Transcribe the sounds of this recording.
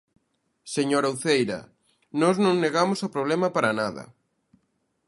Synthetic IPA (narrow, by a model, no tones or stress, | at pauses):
seɲoɾawθejɾɐ̰ | nɔznõŋneɣamʊsopɾoβlɛmɐpaɾɐnaðɐ̰